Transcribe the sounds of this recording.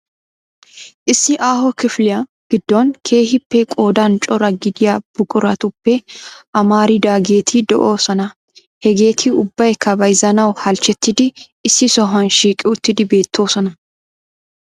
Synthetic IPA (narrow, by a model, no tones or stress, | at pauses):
ʔɪsːɪʔaːhɔkɪflɪjɐ | ɡ̥ɪd̪ːoːnkʰe̞ːhɪpːɛkʼo̞ːd̪ant͡ʃʼɔɾɐɡɪd̪ɪjab̥ʊkʼʊɾɐt̪ʊpːɛʔɐmaːɾɪd̪aːɡe̞ːt̪ʰiːd̪ɔ̰ʔo̞ːsɐnɐ | hɛɡe̞ːt̪ʰiʊbːɐjkʰɐbɐjzɐnɐwhɐlt͡ʃɛt̪ːɪd̪ɪː | sːɪsɔɦɐnʃiːkʼɪʊt̪ːɪd̪ɪbe̞ːt̪ːo̞ːsɐnɐ